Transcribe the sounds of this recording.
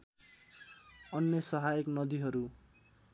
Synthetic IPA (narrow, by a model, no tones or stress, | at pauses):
ʌnːʌsʌɦaiknʌd̪iɦʌɾu